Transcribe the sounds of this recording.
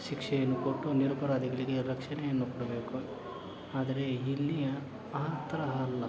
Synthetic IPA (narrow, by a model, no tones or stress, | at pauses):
ʃikʂɛjɐnːukoʈːuniɾupɐɾaːd̪iɡɐɭiɡeɾɐkʂɐɳɛjɐnːukoɽɐbe̞ːku | aːd̪ɐɾe̞ɦilːijɐ | aːt̪ɐɾɐɦalːɐ